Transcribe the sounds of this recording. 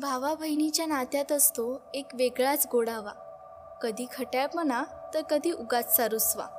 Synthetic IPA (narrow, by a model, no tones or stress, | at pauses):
bʱaʋabʱəjnit͡ɕjanat̪jat̪əst̪oekʋeɡɭat͡sɡoɽaʋa | kəd̪ʱiːkʰəʈjaɭpmənat̪əɾkəd̪ʱiːʔuɡat͡ssaɾusʋa̰